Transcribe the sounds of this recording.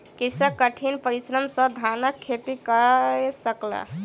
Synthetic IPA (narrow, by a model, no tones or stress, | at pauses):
kisəkːəʈʰinpəɾisɾəmsəd̪ʱanəkʰːet̪ikəɾesəklə̰